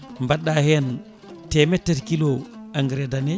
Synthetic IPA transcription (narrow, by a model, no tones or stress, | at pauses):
mbaɗːahɛn | tɛmɛtːetkilɔaŋɡɾɛdanɛ